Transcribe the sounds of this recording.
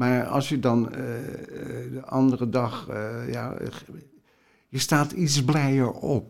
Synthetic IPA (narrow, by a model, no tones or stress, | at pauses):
maːɹɑ̰lˠsjədɑn | dəʔɑndərədɑxja̰ | jəstaːtisblɛjəɹɔp̚